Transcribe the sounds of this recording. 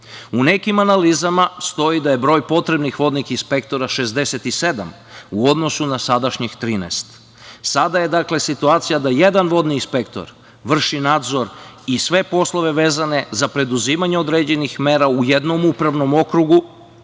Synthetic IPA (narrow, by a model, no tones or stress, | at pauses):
unekimanalizamast̪o̞id̪aje̞bɾo̞jpo̞t̪ɾe̞bnixʋo̞d̪nixinspe̞kt̪o̞ɾaʃe̞zd̪e̞set̪ise̞d̪a̰m | uo̞d̪no̞sunasad̪aʃɲext̪ɾiːnḛst̪ | sad̪aje̞d̪akle̞sit̪uaːt̪sijad̪aje̞d̪anʋo̞d̪niːnspekt̪o̞̰ɾ | ʋr̩ʃinad̪zo̞ɾisʋe̞po̞slˠo̞ʋe̞ʋe̞ːzane̞zapɾe̞d̪uziːmaɲeo̞d̪ɾeːd͡ʑe̞nixme̞ːɾaujed̪no̞mupɾaʋno̞mo̞kɾuɡu